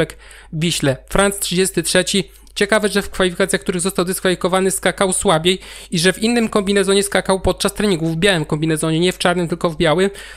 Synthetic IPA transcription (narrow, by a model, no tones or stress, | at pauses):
ɛk | vʲiɕlɛfɾant̪stʂɘd͡ʑest̪ɘtʂɛt͡ɕi | t͡ɕɛkavɛʐɛfkfalʲifʲikat̪sjakt̪uɾɘɣzɔst̪awd̪ɛskfalʲifʲikɔvanɘskakawswabʲjejiʐɛvʲinːɘmkɔmbʲinɛzɔɲɛskakawpɔt̪̚t͡ʂast̪ɾɛɲiŋɡuvvːbjawɘmkɔmbʲinɛzɔɲɛɲɛft͡ʂaɾnɘmt̪ɘlkɔvbʲjawɘm